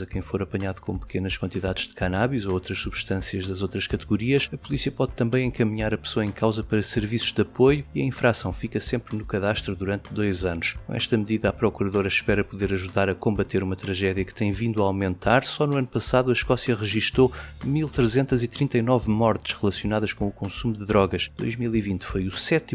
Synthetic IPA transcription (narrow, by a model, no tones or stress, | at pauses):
zɐkɐ̃j̃foɾɐpɐɲaðukõpɨ̥kʰenɐʃkwɐ̃nt̪iðaðʒ̥d̪ɨkanaβizoowt̪ɾɐʃsuβʃt̪ɐ̃siɐʒðɐzowt̪ɾɐʃkɐt̪ɨɣuɾiɐʃɐpulˠisiɐpɔðt̪ɐ̃mbɐ̃j̃ẽŋkɐmiɲaɾɐpɨ̥soɐẽkʰawzɐpɐɾɐsɨɾvisu̥ʒd̪ɐpojuiɐĩfɾasɐ̃w̃fikɐsẽmpɾnukɐðaʃt̪ɾuðuɾɐ̃nt̪d̪ojzɐnuʃkkõ̰ʔɛ̰ʃt̪ɐmðiðɐapɾɔkuɾɐðoɾɐʃpɛɾɐpuðeɾɐʒuðaɾɐkõmbɐt̪eɾumɐt̪ɾɐʒɛðjɐkɨ̥t̪ɐ̃j̃vĩnd̪uawmẽnt̪ʰaɾsɔnuɐnupɐsaðuɐʃkɔsjɐʁɨʒiʃt̪omilˠt̪ɾɨzẽnt̪ɐzit̪ɾĩnt̪ɐinɔvmɔɾt̪ɨ̥ʃʁɨlˠɐsjunaðɐʃkõukõsumud̪ɨðɾɔɣɐʃd̪o̰jʒmilˠivĩnt̪fojusɛt̪i